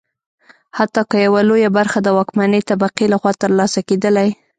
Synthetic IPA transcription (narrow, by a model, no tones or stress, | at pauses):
hat̪ːɑkəjawalojabaɾxad̪əwɑkmanət̪abaqilaxwɑt̪əɾlɑsaked̪əlaj